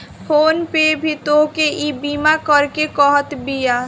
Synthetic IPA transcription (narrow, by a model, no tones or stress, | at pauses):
pʰoːnpebʱit̪okeʔibimakəɾkekɔɦət̪bija